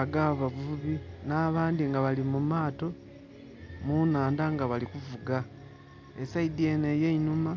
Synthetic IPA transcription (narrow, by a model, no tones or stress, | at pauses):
aɡaβavuuβinaːβaːndiŋɡaβalimumaːto̞ | munaːndaŋɡaβalikuvuɡa | esaid̪iene̞jeinuma